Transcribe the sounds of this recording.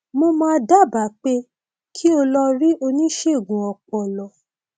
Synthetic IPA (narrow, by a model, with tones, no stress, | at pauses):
mo˧mã˦˧da˦˨ba˨˦k͡pe˧ | kʰi˦o˧lɔ˧ɾi˦ʔo˧nĩ˦ʃe˦˨ɡũ˨ɔ˨k͡pɔ˨lɔ˨˦